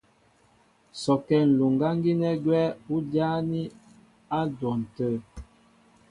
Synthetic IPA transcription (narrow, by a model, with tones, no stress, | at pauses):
sɔ˨kɛ˦˨n̩˨lo˨ŋɡa˦ŋ˦ɡi˦nɛ˦ɡwɛ˦u˦djaː˦ni˦ | a˦dwɔ˨n̩˨tə˦˨